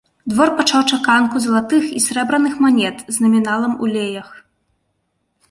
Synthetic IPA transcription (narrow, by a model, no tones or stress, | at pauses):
d̪vɔrpat͡ʂawt͡ʂakankuzɐlˠat̪ɨxisɾɛbɾɐnɨxmanʲɛt̪znɐmʲinalˠɐmṵlʲejɐx